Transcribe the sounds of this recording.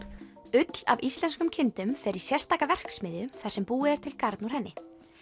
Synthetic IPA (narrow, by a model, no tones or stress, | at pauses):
ʏt̪l̥a̰vist̪lɛnskʏmcʰɪnt̪ʏmfɛɾɪ̥sjɛrst̪aːkavɛr̥ksmɪːðjʏθar̥sɛmpuːɪɛɾ̥t̪ʰɪlkaɾt̪nuɾ̥ɦɛnːɪ